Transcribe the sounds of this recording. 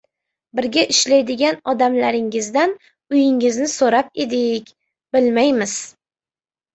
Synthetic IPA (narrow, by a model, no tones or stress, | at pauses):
bɪɾɡʲaʔɪʃlajd̪ɪɡʲanɒd̪amlaɾɪŋɪzd̪an | ʊjɪŋɪznɪsoɾap̚e̞d̪ɪkʲ | b̥ɪlmajmɪz̥